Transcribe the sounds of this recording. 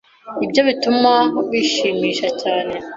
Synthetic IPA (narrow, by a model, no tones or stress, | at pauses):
ibɟo̞βitumaoβiʃiːmiːʃacaːne̞